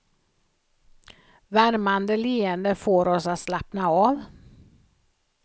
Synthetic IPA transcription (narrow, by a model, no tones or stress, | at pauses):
væɾmand̪əliːənd̪əfoːɾɔsat̪slapnaɑːv